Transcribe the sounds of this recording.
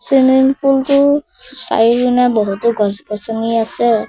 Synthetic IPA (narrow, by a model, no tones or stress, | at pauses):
sininpʰultʊ | sa̰jikunabɔɦutɔɡɔzɡɔsɔniasɛ